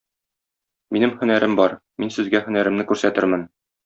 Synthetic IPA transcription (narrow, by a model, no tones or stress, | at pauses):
minɘmhɵ̆næɾɘmbɒɾminsɘ̆zɡæhɵ̆næɾɘ̆mnɘkʉɾsæt̪ɘɾmɘn